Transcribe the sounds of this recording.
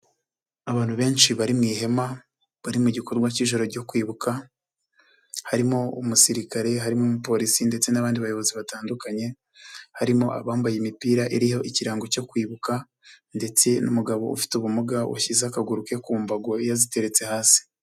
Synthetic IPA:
aβaːn̥huβe̞ːnʃiβaɾimŋiːɦe̞ma | βaɾimuɟiko̞ɾɡwaciːʒo̞ɾo̞ɾɟo̞kwiːβuka | haɾimo̞umusiɾikaɾe̞ɦaɾimomupo̞ɾisinde̞t͡se̞naβaːndiβajo̞βo̞ziβataːndukaɲe̞ | haɾimo̞ʔa̰βaːmbajimipiːɾaʔiɾiho̞ʔiciɾaːŋɡo̞co̞kwiːβuka | nde̞t͡se̞numuɡaβo̞ṵfi̥tuβumuɡaṵçizakaɡuɾuke̞kuːmbaɡo̞ijazite̞ɾe̞t͡se̞haːsi̥

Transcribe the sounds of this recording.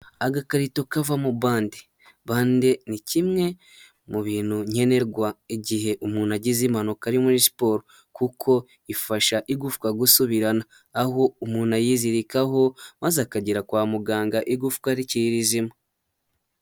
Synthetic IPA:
aɡakaɾito̞kavamuβaːndi | βaːndenicimŋe̞ | muβiːnhuɲe̞ne̞ɾɡwaiɟiɦe̞ʔumuːnaɟizimano̞kaɾimuɾispo̞ːɾo | kukʰo̞ | ifaʃaʔiɡufu̥kaɡusuβiɾanaː | houmuːnajiziɾikaɦo̞mazakaɟiɾakwaːmuɡaːŋɡaʔiɡufu̥kaɾiciɾiɾizima

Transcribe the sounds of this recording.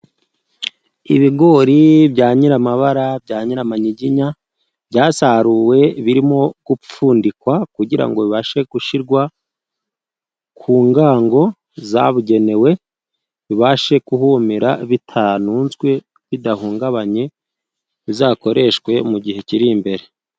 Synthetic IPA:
ḭβiɡo̞ɾibɟaːɲiɾamaβaɾabɟaːɲiɾamaɲiɟiɲa | bɟaːsaɾuwe̞βiɾimo̞ɡ̥up͡fuːndikwakuɟiɾa̰ŋɡo̞βiβaʃe̞ɡuʃiɾɡwa | kʰuːŋɡaːŋɡo̞ | za̰βuɟe̞ne̞we̞ | βiβaʃe̞kuhumiɾaβitʰanuːnzɡwe̞ | βidahuːŋɡaβaɲe̞ | βizaːko̞ɾʔe̞ʃkwe̞muɟihe̞ciɾimbe̞ɾe̞

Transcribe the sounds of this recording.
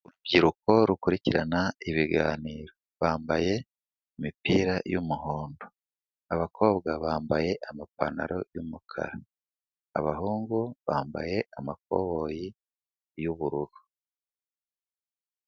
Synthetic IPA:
uɾubɟiɾuko̞ɾukuɾiciɾanaiβiɡaːniːɾo̞ | βaːmbaje̞ | imipiːɾajumuho̞ːndo | aβakʰo̞ːβɡaβaːmbaje̞ʔamapa̰na̰ɾo̞jumukʰa̰ɾa | a̰βaɦuːŋɡuβaːmba̰je̞ʔamak̚o̞̰βoji | juβuɾuɾu

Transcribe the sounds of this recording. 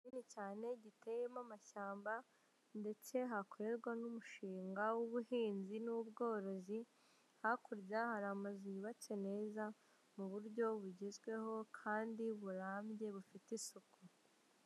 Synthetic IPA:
inicaːne̞ɟite̞jemamaʃaːmba | nde̞t͡se̞ɦako̞ɾe̞ɾɡwanumuʃiːŋɡawuβuhiːnzinubɡo̞ːɾo̞zi | hakuɾjahaɾamaziβat͡se̞ne̞ːza | muβuɾɟo̞βuɟezɡwe̞ho̞kʰaːndiβuɾaːmɟe̞βufitisuku

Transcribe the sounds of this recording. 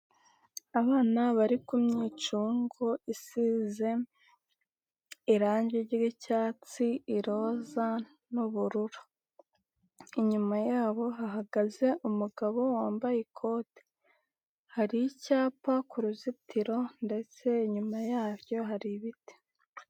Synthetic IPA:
aβaːnaβaɾikumɲiːt͡ʃuːŋɡoisize̞ | iɾaːɲɟiɟiɡicaːt͡siiɾo̞ːza | nuβuɾuɾu | iɲumajaːβo̞ɦaɦaɡaze̞ʔumuɡaβo̞waːmbajekʰo̞ːte̥ | haɾijicaːpakuɾuzitiɾo̞nde̞t͡se̞iɲumajaːβjo̞ɦaɾiβite̥

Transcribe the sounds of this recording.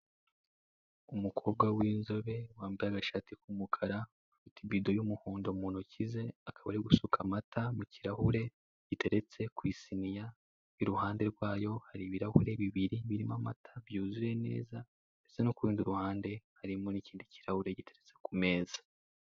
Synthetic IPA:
umukʰo̞ːb̚ɡawiːnzo̞βe̞waːmbiaɡaʃatikumukʰaɾa | afitibido̞jumuhoːndo̞muːnucize̞akaβaɾiɡusukʰamatʰamuciɾahuɾe̞ | ɟ̥ite̞ɾe̞t͡se̞kwiːsinija | iɾuhaːnde̞ɾɡwaːjo̞haɾiβiɾahuɾe̞βiβiɾiβiɾimamatʰaβjuːzuje̞ne̞̰ːza | esenokuɾiːndiɾuhaːnde̞haɾimoniciːndiciɾahuɾe̞ɟite̞ɾe̞t͡se̞̥kume̞ːzḁ

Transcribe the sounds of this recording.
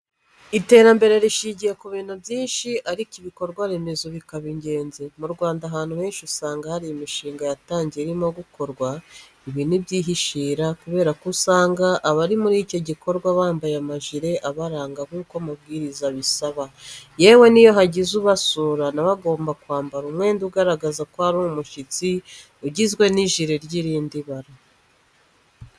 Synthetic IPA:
ite̞ːɾambe̞ɾe̞ɾiʃiːɲɟije̞kuβiːn̥hubjiːnʃiʔaɾikiβiko̞ɾɡwaɾemezoβikaβiɲɟe̞ːnzemuɾɡwaːndaɦaːn̥uhe̞ːnʃusaːŋɡahaɾijumiʃiːŋɡajataːɲɟeɾimoɡuko̞ɾɡwa | iβiːnibɟiːɦiʃiːɾakuβe̞ːɾakusaːŋɡaʔːβaɾimuɾico̞ɟiko̞ɾɡwaβaːmbajamaʒiɾe̞ʔaβaɾaːŋɡaβuːkwamabɡiːɾizaβisaβajewe̞nijo̞ɦaɟizuβasuːɾanaβaɡo̞ːmbakwaːmbaɾumŋe̞ːnduɡaɾaɡazakohaɾuumuʃit͡si | uɟizɡwe̞niʒiɾeɾɟiɾiːndiβaɾa

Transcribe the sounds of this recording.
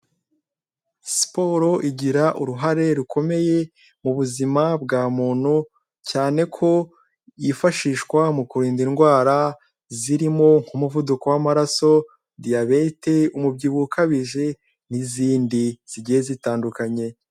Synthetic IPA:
spo̞ɾo̞ʔiɟiɾaʔuɾuɦaɾe̞ɾukʰo̞me̞je̞ | muβuzimabɡaːmuːn̥hu | caːne̞kʰo̞ | ifaʃiːʃkwamukuɾiːndinɡwaːɾa | ziɾimo̞ŋ̥humuvuduko̞wamaɾaso̞ | diaβeteumubɟiːβukʰaβiʒe | niziːndiz̥iɟijezitaːndukaɲe̞

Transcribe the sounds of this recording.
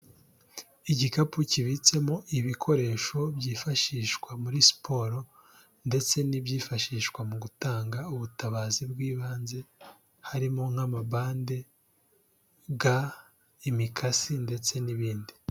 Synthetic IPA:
iɟikapuciβit͡se̞mo̞ʔiβikʰo̞ɾe̞ːʃo̞bɟiːfaʃiːʃkwamuɾisi̥pʰo̞ːɾo̞ | nde̞t͡se̞nibɟiːfaʃiːʃkwamuɡutaːŋɡauβutaβaːzibɡiːβaːnze̞ | haɾimo̞ŋ̥hamabaːnde̞ | ɡa | imikʰasinde̞t͡se̞niβiːndi

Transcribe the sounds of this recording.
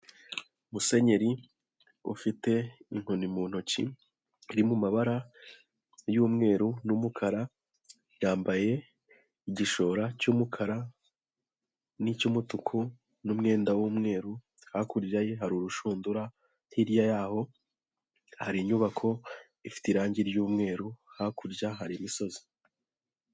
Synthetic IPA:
umuse̞ɲe̞ɾi | ṵfite̞in̥honimuːn̥hocḭː | ɾimumaβaɾa | juːmŋe̞ːɾunumukʰaɾa | jaːmbaje̞ | iɟiʃo̞ːɾacuːmukʰaɾa | nicumutukʰu | numŋe̞ːndawuːmŋe̞ːɾu | hakuɾjajeɦaɾuɾuʃuːnduɾa | hiɾijajaːho̞ | haɾiɲuβakʰo̞ | ifi̥tiɾaːɲɟiɾjuːmŋe̞ːɾuhakuɾjaɦaɾimiso̞zi̥

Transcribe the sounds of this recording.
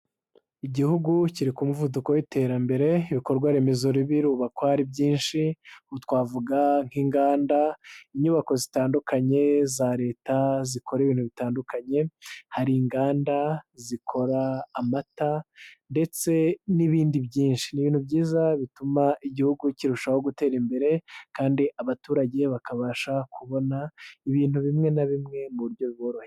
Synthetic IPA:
iɟihuɡuciɾikumuvuduko̞wite̞ɾambe̞ɾe̞iβiko̞ɾɡwaɾe̞me̞zo̞ɾiβiɾuːβakohaɾibɟiːnʃiutwaːvuɡaŋ̥hiːŋɡaːndaiɲuːβako̞zitaːndukʰaɲe̞zaɾe̞ːtazikʰo̞ɾiβiːnhuβitaːndukʰaɲe̞haɾiːŋɡaːndazikʰo̞ɾaːmatande̞t͡se̞niβiːndiβjiːnʃi̥niβiːnhubɟiːzaβitumaʔiɟihuɡuciɾuʃaho̞ɡute̞ːɾimbe̞ɾe̞kaːndiʔaβatuːɾaɟe̞βakaβaːʃakuβo̞naiβiːn̥huβimŋe̞naβimŋe̞muβuɾɟo̞βiβo̞ɾohe

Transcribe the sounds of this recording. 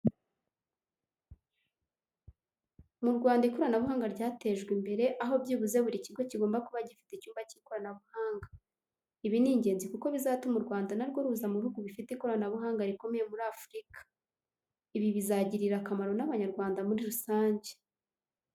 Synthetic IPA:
muɾɡwaːndaiko̞ɾanaβuhaːŋɡaɾɟaːte̞ʒɡwimbe̞ɾe̞ʔaɦo̞bɟiːβuze̞βuɾiciɾɡo̞ciɡo̞ːmbakuβaɟifi̥tecuːmbaciːko̞ɾanaβuhaːŋɡa | iβiniːɲɟeːnzikuko̞βizaːtumuɾɡwaːndanaɾɡo̞ɾuzamuβihuɡuβifiteiko̞ɾanaβuɦaːŋɡaɾiko̞meje̞muɾafɾikḁ | iβiβizaɟiɾiɾakamaɾo̞naβaɲaɾɡwaːndamuɾiɾusaːɲɟe

